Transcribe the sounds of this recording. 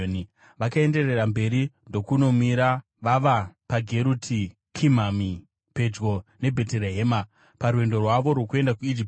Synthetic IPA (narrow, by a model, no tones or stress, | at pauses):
ni | ʋakae̞nde̞re̞rambe̞ɾindo̞kuno̞miɾa | ʋaʋapaɡʱe̞ɾutʰi | kʰimami | pe̞d͡ʒɡo̞ne̞bʱe̞teleɦeːma | paɾuwe̞ndo̞rwaʋo̞ɾwokue̞ndakuid͡ʒip